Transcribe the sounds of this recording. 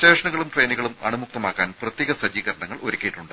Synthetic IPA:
t͡ɕeːʂɐɳɐɣɐɭumʈre̞ːniɣɐɭumɐ̰ɳumuk̚t̪ɐmaːkːaːnprɐt̪jeːɣɐsɐd͡ʑiːɣɐɾɐɳɐŋːɐɭo̞ɾukʲːejiʈːuɳɖɨ

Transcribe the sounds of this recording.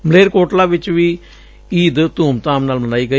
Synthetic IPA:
mleːɾkoːʈlaːʋɪt͡ʃːʋiː | iːd̪t̪uːmt̪aːmnaːlmɐnaːiːɡɐ

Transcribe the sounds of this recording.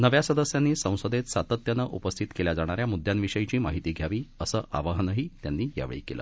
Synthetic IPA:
nəʋjasəd̪əsjanːiːsə̃w̃sod̪et̪sat̪ət̪jənəʔupəst̪ʰit̪keljad͡zaɽ̃aɾjamud̪ʱjanʋiʂəjit͡ɕiːmaɦit̪iːɡʱjaʋiːəsəːʔa̰ʋəɦənəɦiːt̪janːiːja̰ʋɭḭːkelə̰ː

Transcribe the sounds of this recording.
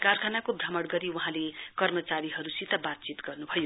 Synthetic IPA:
karkʰanakobʱʌmʌɽɡʌɾiwuɦãlekʌrmʌt͡saɾiɦʌɾusit̪abat̪̚t͡sit̪ɡʌrnubʱʌjo

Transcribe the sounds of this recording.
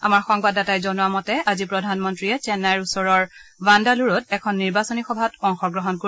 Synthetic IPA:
amaɹxɔŋbadatajzɔnuwamɔtɛazipɹɔdʱanmɔntɹiɛt͡ʃɛnːajɹusɔɹɔɹvandaluɹɔtɛkʰɔnːiɹbasɔnixɔbʱatɔŋxɔɡɹɔɦɔnkoi

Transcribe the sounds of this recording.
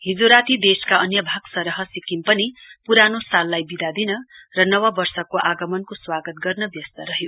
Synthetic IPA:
ɦid͡zoɾat̪id̪eskaʔʌnjʌbʱaɡsʌɾʌɦʌsikimpʌnipuɾanosalːajbid̪ad̪inʌrʌnʌwʌbʌrsʌkoʔaɡʌmʌnkoswaɡʌt̪̚ɡʌrnʌbjʌst̪ʌɾʌɦjo

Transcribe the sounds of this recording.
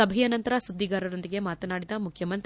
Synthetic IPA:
ɐbʱɐjɐnɐnt̪ɐɾɐsud̪ʱːiɡaːɾɐɾond̪iɡemaːt̪ɐnaːɽid̪ɐmukʰjɐmɐnt̪

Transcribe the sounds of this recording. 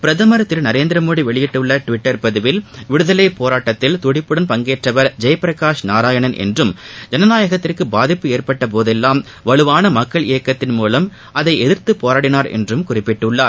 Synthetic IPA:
pɪɾɐðɐmɐɾɐt̪ːɪlnɐɾeːnd̪ɪɾɐmoːɽiʋɛɭɪjɪʈːɯɭːɐʈʋɪʈːɐɾpɐðɯʋɪlʋɪɽɯðɐlɐɪpːoːɾaːʈːɐt̪ːɪlt̪ʊɽɪpːɯɽɐnpɐŋɡeːʈrɐʋɐɾd͡ʒɛjpɾɐkaːʂnaːɾaːjɐɳɐnʔɛ̰ndrɯmd͡ʒɐnɐnaːjɐɣɐt̪ːɪrkɯbaːðɪpːɯeːrpɐʈːɐp̬oːðɛlːaːm | ʋɐɭɯʋaːnɐmɐkːɐɭɪjɐkːɐt̪ːɪnmuːlɐm | ʔɐðɐɪɛðɪɾt̪ɯpːoːɾaːɽɪnaːɾɛ̰ndrɯmkʊrɪpːɪʈːɯɭːaːɾ

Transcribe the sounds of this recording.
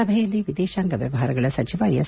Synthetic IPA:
ɐbʱɛjɐlːiʋid̪ɛːʃaːŋɡɐʋjɐ̰ʋɐɦaːɾɐɡɐɭɐsɐt͡ʃiʋɐjɐs

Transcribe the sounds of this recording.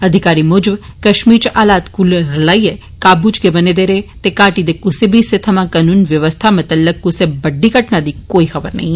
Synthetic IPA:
ɐd̪ʱɪkaːɾimoːd͡ʒəbkɐʃmiːɾt͡ʃʔaːlaːt̪kulɾlaːiɛ | kaːbuːd͡ʒkebɐned̪eːɾet̪ekaːʈid̪ekʊsebʱiset̪ʰɐmãkɐnuːnʋjɐʋəst̪ʰamɐt̪əlːəkːʊsebɐɖːikəʈnad̪ikoːixɐbəɾnɐɦĩ

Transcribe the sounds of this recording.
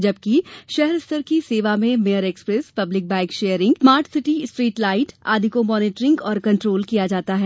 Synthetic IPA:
d͡ʒɐbkiʃɛɦɛɾɪst̪əɾkiseːʋamẽmejəɾɛːkspɾespɐblɪk̚bɛ̃ːkʃeːjəɾɪ̃ŋɡsmaːɾʈsɪʈisʈɾiːʈlaːɪʈa̰ːd̪ʱɪkomɔːnɪːʈɾɪ̃ŋɡɔːɾkɐ̃ɳʈɾoːlkijad͡ʒaːt̪aɦɛː

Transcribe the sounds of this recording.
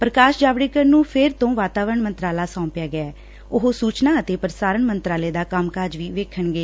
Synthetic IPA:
pɾəkaːʃd͡ʒaːʋɽeːkəɾnũːpʰɪɾt̪õːʋaːt̪aːʋəɾəɳmənt̪ɾaːlaːsɔ̃ːpɪjaːɡɪɛː | ʊɦosuːt͡ʃnaːət̪eːpəɾsaːɾəɳmənt̪ɾaːleːd̪aːkəmkaɾd͡ʒʋiːʋeːkʰəɳɡeː

